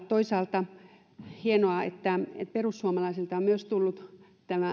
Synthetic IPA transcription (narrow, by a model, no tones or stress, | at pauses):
t̪oisɑːlt̪ɑ | hienoɑḛt̪ːæḛt̪perusːuomɑlɑisilt̪ɑommyøst̪ulːut̪ | t̪æmæ